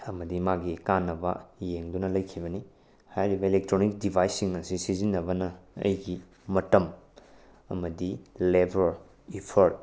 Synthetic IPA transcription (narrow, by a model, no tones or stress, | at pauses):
ɐmɐdimaɡikanːɐbɐ̰jeŋdunɐlɐjkʰibɐni | hajɾibɐelek̚tɾonik̚dibʱajsːiŋnɐsisizinːɐbɐnɐɐ̰jɡi | mɐtɐm | ɐ̰mɐdilebʱoɾ | ipʰoɾt̚